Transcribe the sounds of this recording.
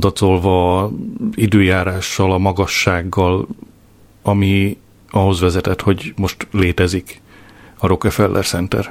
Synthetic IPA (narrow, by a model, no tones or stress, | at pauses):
d̪ɒt̪o̞lvɒ | id̪øːjaːɾaːʃːɒlɒmɒɡɒʃːaːɡːɒl | ɒmi | ɒɦo̞zʋɛzɛt̪ɛt̪ho̞ɟmo̞ʃt̪leːt̪ɛzik | ɒɾo̞kɛfɛlːʔɛ̰rtsɛnt̪ɛ̰r